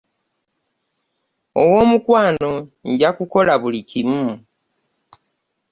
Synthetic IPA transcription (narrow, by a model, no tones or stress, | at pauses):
owo̞ːmukwaːno̞ɲɟakuko̞laβulicʰimu